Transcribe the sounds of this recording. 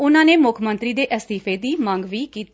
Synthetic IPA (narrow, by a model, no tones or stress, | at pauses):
ʊnãːneːmʊkʰmənt̪ɾiːd̪eːʔəst̪iːpʰeːd̪iːmãːŋɡʋiːkiːt̪